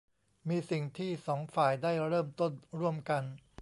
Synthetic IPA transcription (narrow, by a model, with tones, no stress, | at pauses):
miː˧si˨˩ŋt̪ʰiː˥˩sɔː˩˦ŋfaː˨˩jdaː˥˩jɾɤː˥˩mt̪o˥˩nɾu˥˩əmka˧n